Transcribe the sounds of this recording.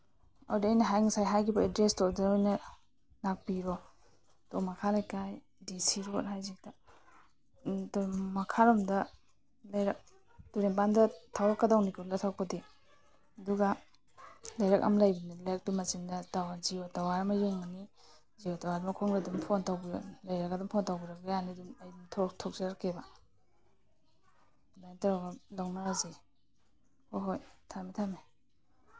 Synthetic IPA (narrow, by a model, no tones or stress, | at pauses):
a̰wdiːjnɐɦajŋasajɦajkibɐedɾestodaojnɐ | nak̚piɾɔ | tomɐkʰalajkaj | disiɾonhajzik̚tɐ | tmɐkʰaɾomdɐ | lajɾɐk̚ | tuɾempandɐtʰawɾɐkːɐdawnikuɾɐtʰawpɐde | ɐduɡa | lajɾaka̰mlajbinilajɾak̚tumasiŋdɐtawanziotawaɾɐmɐjuŋani | ziotawadumɐkʰoŋɾadumpʰontawbilajɾakadumpʰontawbiɾak̚ɡajanidumajdumtʰoktʰɔk̚zeɾakeba | bajntaɾaɡalawnaɾazi | hoɦojtʰamitʰame